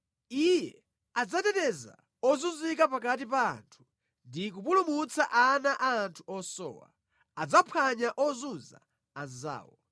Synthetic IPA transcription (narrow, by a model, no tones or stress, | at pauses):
ijɛ | ad͡zatɛtɛza̰ | ɔzuzikapakat̬ipa̰ːntʰu̥ | ndikupulumut͡sʰaʔanaʔaːntʰu̥ɔsɔ̰ːwa̰ | ad͡zapʰaɲaʔɔzuza̰ | aza̰ːwɔ